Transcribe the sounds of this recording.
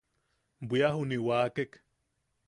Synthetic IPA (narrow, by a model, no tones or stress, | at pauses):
bʷiaɦuniwaːkek